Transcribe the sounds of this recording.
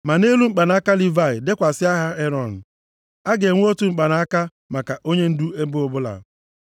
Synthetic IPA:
ma˨ne˦lu˦ŋ͡m̩˦k͡pa˨na˨a˦ka˦li˦va˦˨ɪ˨de˦kʷa˨sɪ˦a˦ɦa˦e˦ɾɔ˦˨n̩˨ | a˦ɡe˨ŋʷ˦o˦tu˦ŋ͡m̩˦˨k͡pa˨na˨a˦ka˦ | ma˨ka˨ʔo˦ɲe˦n̩˦du˦e˦bʊ˦bʊ˦la̰˨

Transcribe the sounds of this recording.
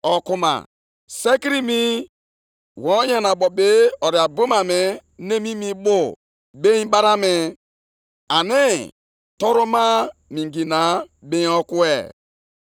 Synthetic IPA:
ɔ˨ku˦ma̰˨ | se˦ki˦ɾi˦mi˦ | wɔ˨˦ja˨na˨bɔ˨be˦ɔ˨ɾi˨a˨bu˦ma˨me˨ne˦mi˦mi˦bʊ˦˨ | be˦ĩ˦ba˦ɾa˦mɪ˨˦ | a˨nɪ˦ | tɔ˦ɾu˦ma˦mi˨ŋ˨ɡi˨na˨˦be˦ĩ˦ɔ˦ku˦ḛ˨

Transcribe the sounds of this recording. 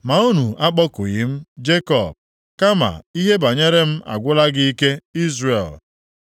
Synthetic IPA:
ma˨u˦nu˨a˦k͡pɔ˦kʊ̰˨ɣɪ˦m̩˦d͡ʒe˦kɔ˨b̚ | ka˦ma̰˨i˦ɦe˦ba˨ɲe˦ɾe˦m̩˦a̰˨ɡʷʊ˦la˦ɡɪ˦i˦ke˦i˦zre˨l

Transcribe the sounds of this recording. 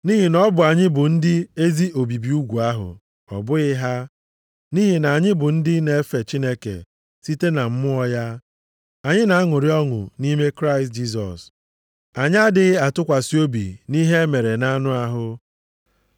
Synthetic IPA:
ni˦ɦi˨nɔ˦bʊ˨a˨ɲɪ˦bʊ˨n̩˦dɪ˦e˦zi˦o˨bi˨bi˨u˦ɡʷu˨a˦ɦʊ̰˨ | ɔ̰˨bʊ˦ɪ˦ɦa˦ | ni˦ɦi˨na˨a˨ɲɪ˦bʊ˨n̩˦dɪ˦ne˨e˦fe˨t͡ʃi˦ne˦kḛ˨ | si˦te˦na˨m̩˦mʊ˦ɔ˦ja˦ | a˨ɲɪ˦na˨a˦ŋʊ˨ɾɪ˦ɔ˦ŋʊ̰˨ni˦me˦kɾa˦ɪ˨st̚d͡ʒi˦s̬ɔ̰˨s | a˨ɲɪ˦a˦dɪ˨˦ɣɪ˦a˨tʊ˦kʷa˨si˦o˦bḭ˨ni˦ɦe˦me˨ɾe˨na˦nʊ˦a˦ɦʊ˦

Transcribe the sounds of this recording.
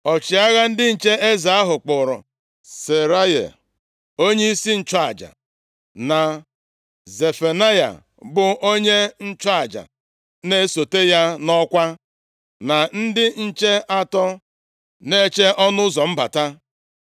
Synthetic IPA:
ɔ˨t͡ʃɪ˨a˦ɣa˦n̩˦dɪ˦n̩˨t͡ʃe˦e˦za˨a˦ɦʊ˨k͡pʊ˨ɾʊ̰˨ | se˨ɾa˦jḛ˨ | o˦ɲe˦i˦si˦n̩˦t͡ʃa˦a˨d͡ʒa̰˨ | na˨ | ze˨fe˨na˦ja̰˨ | bʊ˨ʔo˦ɲe˦n̩˦t͡ʃa˨d͡ʒa̰˨ | ne˦so˨te˦ja˦nɔ˦kʷa˦ | na˨n̩˦dɪ˦n̩˦t͡ʃe˦ʔa˦tɔ˦ | ne˦t͡ʃe˦ʔɔ˦nʊ˦zɔ˨m̩˦ba̰˨ta˦

